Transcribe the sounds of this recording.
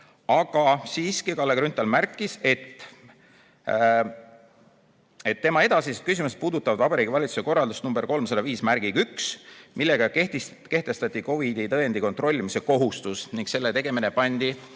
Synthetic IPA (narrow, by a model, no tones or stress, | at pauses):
ɑɡ̥ɑsiːskikɑlːeɡɾynt̪ːˑɑlmærkːˑise̞t̪ː | et̪ːe̞mɑe̞d̪̥ɑsiset̪̚kys̬imus̬t̪̚puːd̪ut̪ːˑɑvɑd̪̥vɑbɑɾiːɡivɑlʲit̪su̥se̞ko̞rːɑld̪usnumb̥e̞ɾko̞lmsɑd̪ɑviːsmæɾɡ̥iɡyksmilːe̞ɡ̥ɑket̪ | ke̞ht̪e̞st̪ɑt̪ʲːˑiko̞vid̪it̪ɤend̪iko̞nt̪ˑro̞lʲːimise̞ko̞ɦust̪usniŋɡkse̞lːe̞t̪e̞ɡ̥e̞mine̞pɑnʲd̪̥i